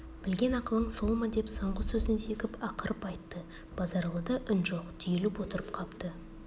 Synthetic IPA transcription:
b̥ɪlɡʲe̞nɑqəlˠəɴso̞lˠmɑd̪e̞psoɴʁəsɵzɪnse̞kʲɪpɑqəɾʔəpɑjt̪ːə | b̥ɑzɑɾlˠəd̪ɑʔɪnʒoqt̪ʰʏjelɪpwo̞t̪əɾəpqʰɑpt̪ə

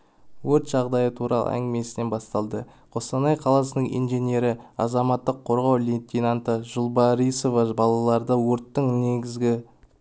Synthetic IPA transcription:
wɵɾt̪ʒ̥ɑʁd̪ɑjət̪ʰuɾɑ̰lˠə̰æ̰ŋɡʲɪme̞sɪne̞nbɑst̪ɑlˠd̪ə | qʰo̞st̪ɑnɑjqʰɑlˠɑs̬ənəɴḭnʒe̞ne̞ɾɪɑzɑmɑt̪ːəqʰːo̞ɾʁɑwlʲent̪ʲinant̪əʒʊlˠbɑɾiso̞vɑbɑlˠɑlˠɑɾd̪əwoɾt̪ːəɴne̞ɡʲɪzɡʲɪ

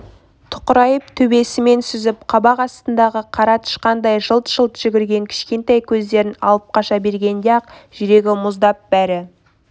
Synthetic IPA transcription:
t̪ʰʊ̥qəɾɑjəp̚t̪ʰɵbe̞sɪme̞nsʏzɪp̚qʰɑbɑqɑst̪ənd̪ɑʁəqʰɑɾɑt̪ʰə̥ʃqɑnd̪ɑjʒəlˠt̪ʒ̥əlˠt̪ʒ̥ʏɡʲɪɾɡʲe̞ŋkʲʰɪ̥ʃkʲe̞nt̪ejkʲʰɵzd̪e̞ɾɪnɑ̰lˠəp̚qɑʃɑbe̞ɾɡʲe̞nd̪eɑq̚ʒ̥ʏɾe̞ɡʲɪmʊzd̪ɑp̚bæɾɪ

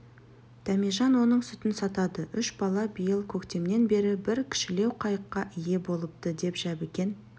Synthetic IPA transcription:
d̪̥æmiʒɑnwo̞nəɴsʏt̪ɪnsɑt̪ɑd̪əʔʏʃbɑlˠɑbijəlˠkʲʰɵkt̪e̞mne̞nbe̞ɾɪbɪɾkʲʰɪ̥ʃɪle̞wqʰɑjəqːɑʔɪje̞bo̞lˠəp̚t̪əd̪e̞pʒæbekʲe̞n

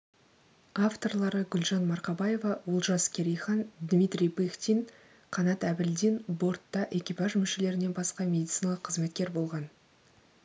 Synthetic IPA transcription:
ɑft̪o̞rlˠɑɾəɡʲʏlʒɑnmɑɾqɑbɑje̞vɑwʊlˠʒɑskʲʰeɾʲijχɑnd̪mʲijt̪ɾʲijbixt̪ʲin | qʰɑnɑt̪æbɪld̪inbo̞rt̪ːɑʔe̞kʲipɑʒmʏʃe̞le̞ɾɪne̞nbɑsqɑmʲe̞d̪ʲit̪sɨjnɑlˠəqʰːəzme̞t̪̚kʲe̞ɾbo̞lˠʁɑn

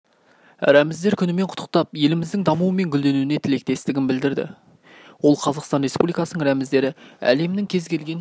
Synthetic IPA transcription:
ɾæmɪzd̪e̞ɾkʲʰʏnɪme̞ɴqʰʊ̥t̪ʰːə̥q̚t̪ɑpje̞lɪmɪzd̪ɪŋd̪ɑmuwəme̞ŋɡʲʏld̪e̞nuɪne̞t̪ʰɪle̞k̚t̪e̞st̪ɪɡʲɪnbɪld̪ɪɾd̪ɪ̰ | wo̞lˠqʰɑzɑqst̪ɑnɾe̞spṵblijkɑsənəɴɾæmɪzd̪e̞ɾɪæ̰le̞mnɪŋkʲʰe̞zkʲʰe̞lɡʲe̞n

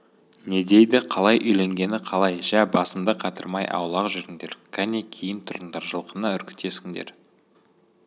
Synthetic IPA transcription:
ne̞d̪e̞jd̪ɪqʰɑlˠɑjʔʏjle̞ŋɡʲe̞nɪqʰɑlˠɑjʒæbɑsəmd̪əqʰɑt̪əɾmɑjʔɑ̰wlˠɑqʒʏɾɪŋd̪e̞ɾkʲʰæne̞kʲʰe̞jɪnt̪ʰʊɾənd̪ɑɾʒəlˠqənəʏɾkʲɪ̥t̪ːe̞sɪŋd̪ḛɾ

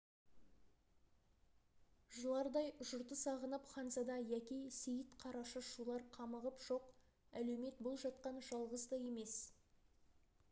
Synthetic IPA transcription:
ʒəlˠɑɾd̪ɑjʊʒʊɾt̪əsɑʁənəpχɑnzɑd̪ɑjækʲejsejɪt̪qʰɑɾɑʃəʃulˠɑɾqʰɑməʁəpʒ̥o̞q | ælewme̞t̪̚bolˠʒɑt̪̚qɑnʒɑlˠʁəzd̪ɑje̞me̞s

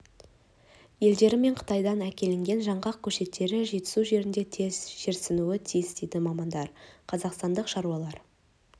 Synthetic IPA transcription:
je̞ld̪e̞ɾɪme̞ɴqʰə̥t̪ɑjd̪ɑnækʲe̞lɪŋɡʲe̞nʒɑɴʁɑq̚kʲʰɵʃe̞t̪ːe̞ɾɪʒe̞t̪ɪ̥suʒe̞ɾɪnd̪e̞t̪ʰe̞z̥ʒ̥e̞ɾsɪnuɪt̪ʰijɪzd̪ejd̪ɪmɑmɑnd̪ɑɾqʰɑzɑqst̪ɑnd̪əqʃɑɾuɑlˠɑɾ

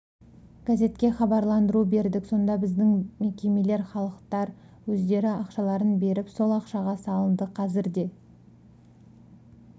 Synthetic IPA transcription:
ɡ̥aze̞t̪kʲe̞χɑbɑɾlˠɑnd̪əɾube̞ɾd̪ɪkso̞nd̪ɑbɪzd̪ɪŋme̞kʲe̞me̞le̞ɾχɑlˠəqt̪ɑɾ | wɵzd̪e̞ɾɪɑqʃɑlˠɑɾənbe̞ɾɪpso̞lˠɑqʃɑʁɑsɑlˠənd̪əqʰɑzɪɾd̪e̞

